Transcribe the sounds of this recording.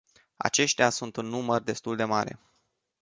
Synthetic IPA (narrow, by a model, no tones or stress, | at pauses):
a̰t͡ʃe̞ʃt̪easunt̪unːumərd̪e̞st̪uld̪e̞maɾe̞̰